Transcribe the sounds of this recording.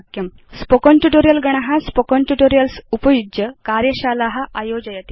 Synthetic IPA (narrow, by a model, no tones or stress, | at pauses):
kjɐm | spokonʈuʈoɾijɐlɡɐɳ̃ɐɦaspokonʈuʈoɾijɐlsupɐjud͡ʒjəkaːɾjɐɕaːlaɦaʔajoːd͡ʑɐjɐt̪i